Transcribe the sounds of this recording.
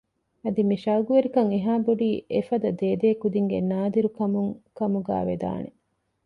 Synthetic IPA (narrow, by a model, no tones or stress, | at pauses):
ɐd̪imiʃɐɡuʋeɾikɐŋeɦaːboɖiːʔefɐd̪ɐd̪eːd̪eːkud̪iŋɡenaːd̪iɾukɐmuŋkɐmuɡæ̰ːʋed̪a̰ːne